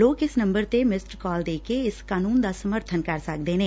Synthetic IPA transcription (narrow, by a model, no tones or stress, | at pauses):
loːkɪsnə̃mbəɾt̪emɪsʈɾkɔːld̪eːkeɪskaːnuːnd̪aːsəməɾt̪ʰənkəɾsək̚d̪eːneː